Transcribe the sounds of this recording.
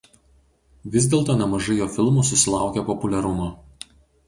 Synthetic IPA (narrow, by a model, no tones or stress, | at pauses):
ʋʲɪzʲd̪ʲeːlˠt̪oːnʲɛmɐʒɐɪjoːfʲɪlˠmuːsʊsʲɪlˠɑˑʊkʲɛpɔpʊlʲɛɾʊmoː